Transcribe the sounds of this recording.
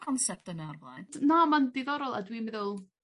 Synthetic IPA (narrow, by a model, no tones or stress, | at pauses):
kʰɔnsɛp̚tənarblˠajnnamandiðɔɾɔlˠa̰dwimɛðʊlˠ